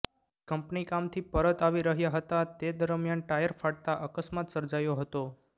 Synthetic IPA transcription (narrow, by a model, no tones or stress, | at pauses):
kəmpnikamt̪ʰipəɾət̪aʋiɾəɦjaɦət̪at̪ed̪əɾmjanʈajəɾfaɽ̚t̪aʔəkəsmat̪səɾd͡ʒajoɦət̪o